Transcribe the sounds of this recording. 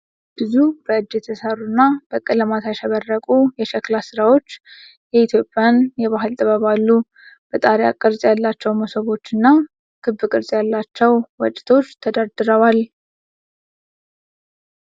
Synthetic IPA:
b̥ɨzub̥əɨd͡ʒːɛt̪ʰəsarːunːab̥əkʼɨləmat̪ʰajʃɛβərːəkʼujɛʃɛklasɨɾawo̞t͡ʃː | jɛit̪ʰjo̞pʼːjanjɛβaɦɨlt̪ʼɨβəβalːu | b̥ət̪ʼaɾja̰kʼɨɾsʼjalːat͡ʃːɛwmosəβo̞t͡ʃːɨnːa | kʰɨbːɨkʼɨɾsʼjalːat͡ʃːɛwwɔt͡ʃʼɪ̥t̪ʰo̞t͡ʃːt̪ʰəd̪ad̪ɨɾəwal

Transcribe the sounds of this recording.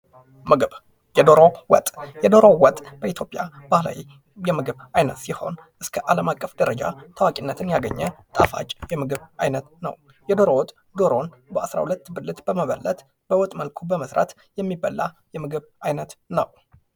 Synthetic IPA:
d̪owt̪ʼjɛd̪oɾowɔt̪ʼb̥əit̪ʰjo̞pʼjab̥ahla̰wi | jɛmɨɡɨβajnət̪siho̞̰n | ʔɨskʰəʔaləmakʼːəfd̪əɾəd͡ʒa̰t̪ʰəwakʼinːət̪ʰɨnjaɡə̰ɲːət̪ʼafa̰t͡ʃʼjɛmɨɡɨβajnət̪nə̰w | jɛd̪oɾowɔt̪ʼ | d̪o̞ɾo̞n | bəasɾa̰hulət̪ːbɨlːɨt̪bəməβə̰lːət̪ | b̥əwɔt̪ʼməlkʰubəməsɾa̰t̪ | jɛmːibːalːa | jɛmɨɡɨβʔajnət̪nə̰w

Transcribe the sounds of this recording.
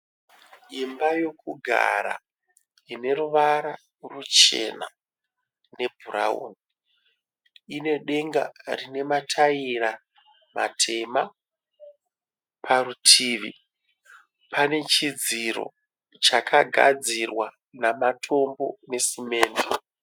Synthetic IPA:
imbajo̞kuɡʱa̰ɾa̰ | ine̞ɾuʋaɾa | rut͡ʃe̞̰na̰ | ne̞bʱuɾa̰o̰ni | ine̞ɗe̞ŋɡarine̞matʰaiɾa | ma̰tʰe̞ma | pʰaɾutʰiːʋi | pʰane̞t͡ʃid͡ziɾo̞̰ | t͡ʃakʰaɡʱa̰d͡zirwa | namatʰo̞mbo̞ne̞sime̞ːnde

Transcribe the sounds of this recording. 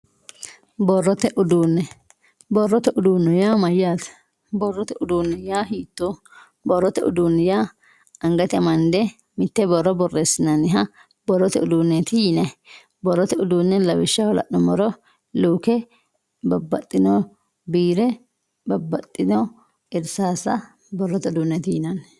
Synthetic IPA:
bɔrːɔt̪ɛʔʊd̪uːnːɛ | bɔrːɔt̪ɛʔʊd̪uːnːɛjaːmɐjːaːt̪ | bɔrːɔt̪ɛʊd̪uːnːɛjaːhiːt̪ːo | bɔrːɔt̪ɛʊ̰d̪uːnːɛjaː | ɐŋɡɐt̪ɪɐmɐnd̪ɛ | mɪt̪ːɛbɔrːɔbɔrːeːsːɪnɐnɪɦɐ | bɔrːɔt̪ɛʊd̪uːnːɛt̪ɪjɪnɛ | bɔrːɔt̪ɛʊd̪uːnːɛlɐwɪʃːɐwɔlɐ̰ʔnɔmɔɾɔ | luːkɛ | bɐbːɐt̪ʼːɪnɔ | biːɾɛ | bɐbːɐt̪ʼːɪnɔ | ɪɾsaːsɐ | bɔrːɔt̪ɛʊd̪uːnːɛt̪ɪjɪnɐn

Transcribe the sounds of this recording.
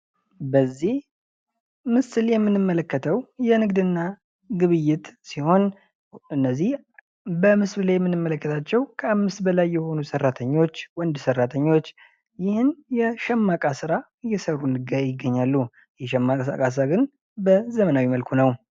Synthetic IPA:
bəzːih | mɨsɨljɛmːɨnɨmːələkːət̪ʰəwjɛnɨɡd̪ɨnːa | ɡɨβɨjːɪt̪siho̞n | ɨnːəzːih | bəmɨsβɨlajɛmːɨnːɨmːələkːət̪ʰat͡ʃːɛwkʰəamːɨst̪bəlajːɛho̞nusərːat̪ʰəɲːo̞t͡ʃːwɔnd̪sərat̪ʰəɲːo̞t͡ʃː | jɪhɨnjɛʃɛmːakʼasɨɾa | ɨjːɛsərunɨɡajɪɡːəɲːalːu | jɛʃɛmːakʼa̰kʼas̬ɨaɡɨn | bəzəmənawiməlkʰunəw

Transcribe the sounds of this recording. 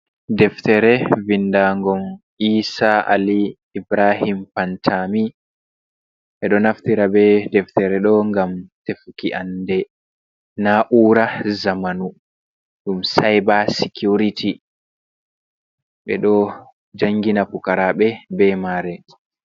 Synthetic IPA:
dɛftɛɾɛvindaːŋɡɔm | iːsaʔa̰liː | bɾaɦimpantʰami | ɓɛɗɔnaftiɾabɛdɛftɛɾɛɗɔŋɡamtefukiʔandɛ | naʔuɾazamanu | ɗumsajbasikjuɾiti | ɓɛ̰ɗɔ | d͡ʒaŋːɡinapukaɾaɓɛbɛmaːɾɛ

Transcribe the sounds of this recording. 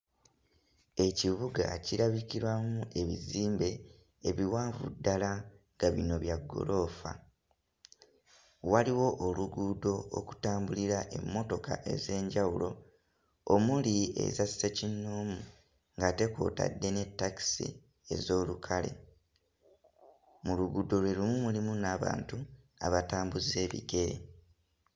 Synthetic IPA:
e̞ciβuɡa̰ciɾaβikiɾwamuʔe̞βḭziːmbe̞ː | βiwaːɱvṵdːala | ŋɡaβino̞βjaɡːo̞̰lʔo̞ːfa̰ | waliwo̞ʔoluɡuːdo̞o̰ku̥taːmbuliɾaʔe̞̰mːo̞to̞ka̰ʔe̞ze̞ːɲɟawulo̞ | omulie̞̰zassecinːoːmu | ŋɡate̞ko̞̰ːta̰dːe̞ne̞tːaki̥sḭ | e̞zo̞ːlukʰale̞̰ | muluɡudo̞lwe̞lumumulimunaβa̰ːntu | a̰βataːmbuze̞ːβḭɡe̞ɾe̞̰

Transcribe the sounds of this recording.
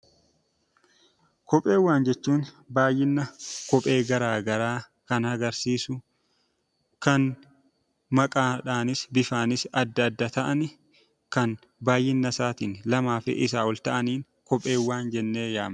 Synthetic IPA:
kɔpʼːeːwːaːnd͡ʒɛt͡ʃːuːn | baːjɪnːɐkɔpʼe̞ːɡɐɾaːɡɐɾaː | kɐnhɐɡɐɾsiːsʊ | kɐn | mɐkʼaːᶑaːnɪsbɪfaːnɪsɐd̪ːɐːd̪ːɐt̪ɐʔɐnɪ | kɐn | baːjːɪnːɐsaːt̪inlɐmaːfɪ̰ʔɪs̬aːɔlt̪ɐʔɐniːŋ | kɔpʼe̞ːwːaːnd͡ʒɛnːeːja̰ːm

